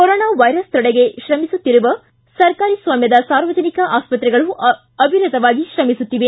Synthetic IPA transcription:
kɔɾoːnaːʋɐjɾɐst̪ɔɽeɡe̞ʃɾɐmisut̪ːiɾuʋɐ | sɐɾkaːɾisʋaːmjɐd̪ɐsaːɾʋɐd͡ʒ̪ʱɐnikɐʔaːspɐt̪ɾɛɡɐɭu | ɐbʱiɾɐd̪ɐʋaːɡiʃɾɐmisut̪ːiʋe

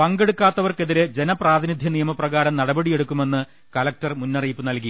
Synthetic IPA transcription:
pɐŋɡe̞ɽukːaːt̪ːɐʋɐrkeðiɾed͡ʑe̞nɐpraːd̪ʱinid̪ʱjɐnijɐmɐprɐɣaːɾɐmnɐɽɐbɐɽije̞ɽukːume̞nːɨ | kɐlɐk̚tɐrmunːɐrijpːɨnɐlki

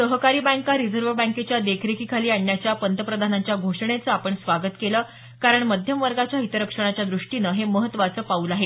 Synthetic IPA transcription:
əɦkaɾiːbãŋkaɾid͡zəɾʋəbãŋket͡ɕjad̪ekʰɾekiːkʰaliːaɳːjat͡ɕjapənt̪əpɾəd̪ʱanaɲt͡ɕjaɡʱoʂɳ̃et͡səapəɳsʋaɡət̪keləː | kaɾəɳməd̪ʱjəmʋəɾɡat͡ɕjaɦit̪əɾəkʂəɳ̃at͡ɕjad̪ɾuʂʈinəɦeməɦət̪ːʋat͡səːpauːlaɦe

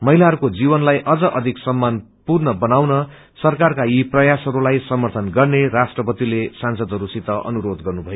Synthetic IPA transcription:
mʌɦilaɦʌɾukod͡zibʌnlajʔʌd͡zʌʔʌd̪ʱiksʌmːan | purnʌbʌnawnʌ | sʌrkarkaiprʌjasɦʌɾulajsʌmʌrt̪ʰʌnɡʌrneɾasʈrʌpʌt̪ilesansʌd̪ʱɦʌɾusit̪ʌʔʌ̰nuɾod̪ɡʌrnubʱʌjo

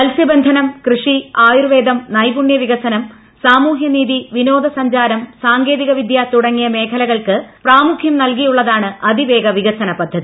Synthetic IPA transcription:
ɐlsjɐbend̪ʱɐnɐmkrɨʂiaːjurʋe̞ːd̪ɐmnɐjbuɳjɐʋiɣɐsɐnɐm | saːmuːɦjɐniːðiʋinoːd̪ɐsɐɲd͡ʑaːɾɐmsaːŋɡe̞ːðiɣɐʋid̪jat̪uɽɐŋːijɐme̞ːkʰɐlɐɣɐɭkɨpraːmukʰjɐmnɐlkijuɭːɐðaːɳɨɐd̪iʋe̞ːɡɐʋiɣɐsɐnɐpɐd̪ʱːɐði

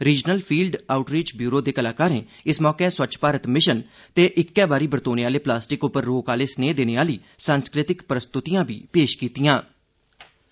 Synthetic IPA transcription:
ɾiːd͡ʒnəlpʰiːlɖaːʊʈɾiːt͡ʃbjuːɾoːd̪eːkəlaːkaːɾẽː | ɪsmɔːkɛːswət͡ʃpaːɾət̪mɪʃən | t̪eːʔɪkːɛːbaːɾiːbəɾt̪oːneːaːleːplaːsʈɪkʊpəɾːoːkaːleːsneːd̪eːneːaːliː | saːnskɾɪt̪ɪkpɾəst̪ʊt̪ijãːbʱḭːpeːʃkiːt̪ijãː

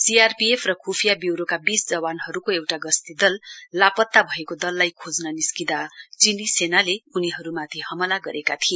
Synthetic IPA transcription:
siarpiepʰrʌkʰupʰijabiwɾokabisd͡zʌwanɦʌɾukoewʈaɡʌst̪id̪ʌlːapʌt̪ːabʱʌekod̪ʌlːajkʰod͡znʌniskid̪at͡sinisenaleuniɦʌɾumat̪ʰiɦʌmʌlaɡʌɾʔekat̪ʰie

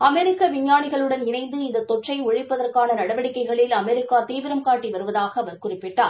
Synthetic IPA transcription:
ɐmɛɾɪkːɐʋɪɲːaːnɪɣɐɭɯɽɐnɪnɐɪnd̪ɯɪnd̪ɐt̪ːɔʈrɐɪʊɻɪpːɐðɐrkaːnɐnɐɽɐʋɐɽɪkːɐɪɣɐɭɪlɐmɛɾɪkːaːt̪iːʋɪɾɐmkaːʈːiʋɐɾɯʋɐðaːɣɐːʋɐɾkʊrɪpːɪʈːaːɾ

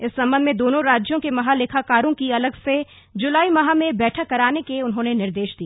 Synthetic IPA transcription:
ɪsːɐ̃mbənd̪mẽd̪oːnõɾaːd͡ʒjõkemɐɦalɪkʰakaːɾõkiɐləɡse | d͡ʒʊlaːimɐɦamẽbɛːʈʰəkːɐɾaːnekeʊnɦõːnenɪɾd̪eːʃd̪iːa

